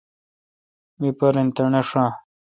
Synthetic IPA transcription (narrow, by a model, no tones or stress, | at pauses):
mipɐɾent̪ɐɳeʂãː